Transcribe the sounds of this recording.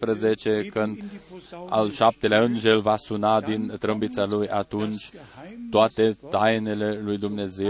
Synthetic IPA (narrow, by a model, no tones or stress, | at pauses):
pɾəzet͡ʃe̞kɨnd̪a̰lʃap̚t̪e̞leaɨnʒe̞lvasunad̪int̪ɾəmbit̪salujʔat̪unt͡ʃʲt̪oat̪e̞t̪ajne̞le̞lujd̪umne̞ze